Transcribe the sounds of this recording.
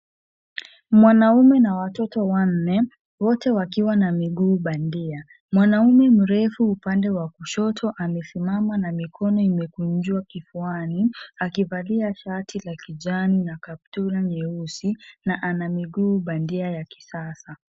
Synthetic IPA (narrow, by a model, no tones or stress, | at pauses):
mwanaumɛnawatɔtɔwan̩ːɛ | wɔtɛwakiwanamiɠuːɓandia | mwanaumɛm̩ɾɛfuːpandɛwakuʃɔtʰɔʔamɛsimamanamikʰɔnɔimɛkuɲd͡ʒwakifuaniakivaliaʃatʰilakiʄaninakap̚tuɾaɲɛusinaʔanamiɠuːɓandiajaki̥sasa